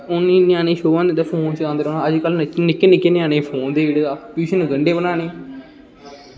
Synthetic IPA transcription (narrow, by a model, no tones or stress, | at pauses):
ʊnːĩːnɪjãːneːʃoːʋãːnd̪ed̪eːpʰoːnt͡ʃãːnd̪eːɾoːnãːəd͡ʒkəlnɪkːeːnɪkːeːnɪjaːnẽːpʰoːnd̪eːiɽeːd̪aːpjuːʃənɡəɳɖeːbənaːneː